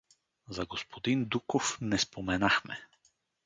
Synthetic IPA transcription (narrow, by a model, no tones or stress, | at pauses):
zaɡospʰod̪ind̪ukofnɛspomɛnaxmɛ̰